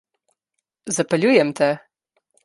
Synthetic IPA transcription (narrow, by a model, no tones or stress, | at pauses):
zɐpɐlʲujɛmt̪ʰɛ